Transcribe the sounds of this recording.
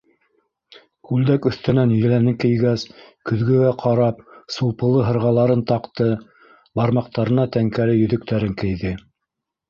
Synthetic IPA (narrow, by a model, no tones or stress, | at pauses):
kʉld̪ækɵ̆θt̪ɘ̆nænɵ̆lænɘkɘ̆jɡæskɵ̆ðɡɵ̆ɡæqʰɑɾɑp̚sulˠpɤ̆lˠɤɦɤ̆ɾʁɑlˠɑɾɤnt̪ɑqt̪ɤ | bɑɾmɑq̚t̪ɑɾɤ̆nɑt̪æŋkælɘjɵ̆ðɵ̆k̚t̪ʰæɾɘŋkɘ̆jðɘ